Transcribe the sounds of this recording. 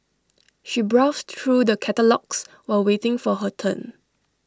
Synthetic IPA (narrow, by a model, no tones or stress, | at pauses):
ʃibɹaʊstɹudəkʰɛtəlɔks | wawetɪ̃ŋfɔɦətʰə̰̃n